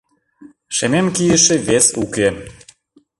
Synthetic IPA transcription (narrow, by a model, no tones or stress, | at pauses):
ʃememkijəʃĕβesuke